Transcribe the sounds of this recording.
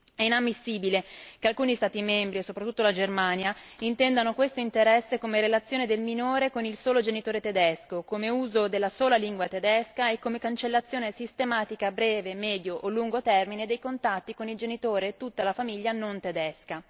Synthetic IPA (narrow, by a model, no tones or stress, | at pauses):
ɛinamːisːiːbilekealkuːnist̪aːt̪imɛmbɾiesopɾat̪ːut̪ːolad͡ʒermaːnjaint̪ɛnd̪anokwest̪oint̪eɾɛsːekomeɾelat̪sːjoːned̪elminoːɾekonilsoːlod͡ʒenit̪oːɾet̪ed̪ɛskokomeuːzod̪elːasoːlaliŋɡwat̪ed̪ɛskaekːomekant͡ʃelːat̪sːjoːnesist̪emaːt̪ikabɾɛːvemɛːd̪joʔolːuŋɡot̪ɛrmined̪ejkont̪at̪ːikonild͡ʒenit̪oːɾet̪ːut̪ːalafamiʎːanont̪ed̪ɛska